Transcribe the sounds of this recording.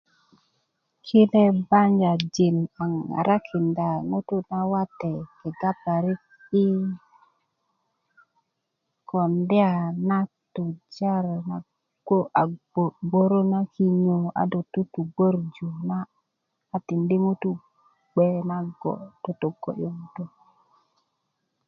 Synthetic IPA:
kʰi˦le˦ba˦nd͡ʒa˨d͡ʒi˨nma˨ŋːa̰˨ɾa˦kʰi˨nda˨ŋu˦tu˦na˦wa˦te˨ke˨ɡa˦pa˨ɾi˦k̚ | i˦ | kʰo˨nde˦a˨na˦ | tu˨d͡ʒa˦ɾna˨ | ɡ̥o˦ʔa˨ | o˨ɡ͡bo˦ɾo˦na˦ki˦ɲo˨a̰˨do˨tu˦tu˨ɡ͡bo˦ɾd͡ʒu˨naː˦˨ | ti˨ndi˦ŋu˦t̪u˦ | ɡ͡be˦na˦ɡo̰˨d̥o˨to˨ɡo̰˨jo˦ŋu˨tu˦

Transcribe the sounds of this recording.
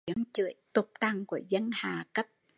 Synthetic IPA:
əŋt͡ɕɨ̰˧˨əjt̪ʊ˨˩k͡p̚t̪a˨˩ŋku˧˩əzə˧nhaː˨˩kə˦˥p̚

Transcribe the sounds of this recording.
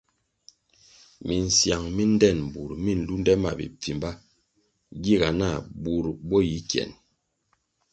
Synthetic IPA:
mi˨n̩˨sja˨ŋmi˦n˦dɛ˦˨n̩˨bu˨ɾmi˦˨n̩˨˦lu˦n˦dɛ˦ma̰˨bḭ˨p͡fi˨mba˦ | ɡi˦˨ɡa˨na˦˨bu˨ɾbɔ˦ji˨˦kjɛ̰˨n

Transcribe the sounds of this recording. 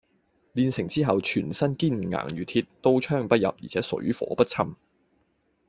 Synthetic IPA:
liː˧nsɪ˨˩ŋt͡siː˥ɦɐ˨wt͡ʃʰyː˨˩nsɐ˥nkiː˥˩n̩˨˩ŋa̰ː˨˩ŋjyː˨˩t̪ʰiː˧t̚t̪o˥wt͡ʃʰœː˥˩ŋpɐ˥t̚jɐ˨p̚jḭː˨˩t͡sʰɛː˨˥sɵ̰˨˥ɥfɔ̰ː˨˧˥pɐ˥t̚t͡sʰɐ˥m

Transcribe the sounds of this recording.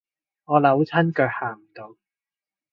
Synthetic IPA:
ŋɔː˨˧lɐ˨˥wt͡sʰɐ˥nkœː˧k̚haː˨˩ŋm̩˨˩t̪o˨˧w

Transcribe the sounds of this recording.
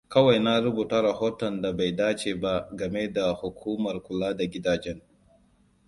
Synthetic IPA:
kɐ˦wa˨jna˦ɾʊ˦buː˨ta˦ɾɐ˨hoː˦tɔ˨nda˨ba˨jdaː˦t͡ʃeː˨ba˦ɡɐ˨me˦da˨hʊ˨kʷʰuː˦mɐ˨rkʷʊ˨laː˦da˨ɡʲɪ˦daː˨d͡ʒɛ˦ŋ

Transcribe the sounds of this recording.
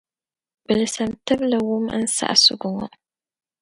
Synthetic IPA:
bɨ˨lɨsɐ˨mtɨ˦blɨ˨wʊ˦mɨ̰˦n̩˦sa̰˦ʔa˨sʊ̰˦ɡʊ˦ŋɔ̰˦

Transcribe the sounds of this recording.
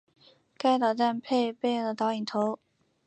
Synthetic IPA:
ka˥˩ɪt̪ɑ˨˩ʈ͡ʂ̪a˥˧npʰe˥˧ɪpe˥˧ɪjɤ˥˩d̪ə˨˩t̪ɑ˧˥i˨˩ŋt̪ʰo˧˥ʊ

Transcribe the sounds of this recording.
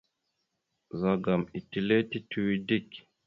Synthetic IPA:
za˨ɡa˨mi˨ti˨le˦ti˦tʰu˨wi˦di˦k

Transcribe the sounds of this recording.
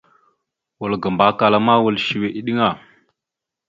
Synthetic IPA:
wu˨lɡə˨mba˨ka˨la˨ma˦wu˨lʃi˨we˨ʔi˦ɗi˦ŋa˨

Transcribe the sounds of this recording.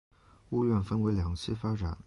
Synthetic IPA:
u˥˧ɥɛ˥˩nfə˥nwe˧˥ɪljɑ˨˩ŋt͡ɕʰi˥˩fa˥ʈ͡ʂa˨˩˦n

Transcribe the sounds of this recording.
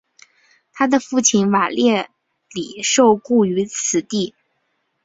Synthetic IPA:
t̪ʰa˥d̪ə˨fu˥˩t͡ɕʰi˧˥nwa˨˩ljɛ˥˩ | li˨˩ʂo˥˧ʊku˥˩y˧˥t͡sʰɹ̩˨˩t̪i˥˩

